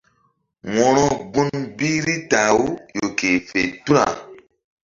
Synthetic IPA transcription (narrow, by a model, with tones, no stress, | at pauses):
wɔ̃˨ɾɔ̃˦ɡ͡bu˦nbi˦ɾi˦ta˨wu˦jo˨ke˨fḛ˨tu˦ɾa̰˨